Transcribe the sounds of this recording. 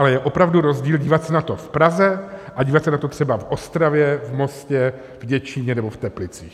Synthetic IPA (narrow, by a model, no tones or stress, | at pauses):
alɛjɛʔo̞pɾavduɾo̞zɟiːlɟiːvat̪sɛnat̪o̞fpɾazɛʔaɟiːvat̪sɛnat̪o̞t̪r̝̥ɛbavʔo̞st̪ɾavjɛvmo̞scɛ | vɟɛt͡ʃɪɲɛnɛbo̞ft̪ɛplɪt͡sḭːx